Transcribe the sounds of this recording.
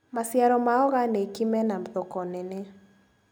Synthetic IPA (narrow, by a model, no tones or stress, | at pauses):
masjaɾɔmaɔɣanekimɛnamðokɔnene